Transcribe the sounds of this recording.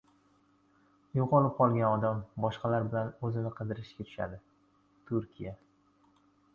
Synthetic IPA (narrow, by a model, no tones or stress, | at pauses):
joqɒlˠɪp̚qʰɒlˠɡʲanɒd̪ambɒʃqɑlaɾbɪlanɵzɪnɪqʰɨd̪ɪɾɪʃɡʲat̪ʰʊ̥ʃa̰d̪ɪ | t̪ʰʊɾkʲija